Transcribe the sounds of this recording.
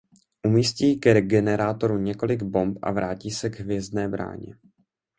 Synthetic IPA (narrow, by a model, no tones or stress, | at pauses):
ʔumiːsciːɡɛɛɡɛnɛɾaːt̪o̞ɾuɲɛko̞lɪɡbo̞mpʔa̰vɾaːciːsɛɡɦvjɛzdnɛːbɾa̰ːɲɛ̰